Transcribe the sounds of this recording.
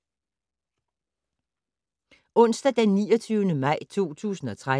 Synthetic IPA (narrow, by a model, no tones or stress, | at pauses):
ɔ̽n̰sd̥æd̥enːiːɒt͡sʰyːʊnəmɑ̈ɪ̰t͡sʰo̝̰ːt͡sʰṵːsn̩ɒ̽t͡sʰʁa